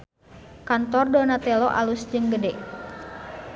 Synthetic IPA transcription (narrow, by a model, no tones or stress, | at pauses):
kant̪ɔrdonat̪ɛloʔa̰lusd͡ʒɨŋɡədɛʔ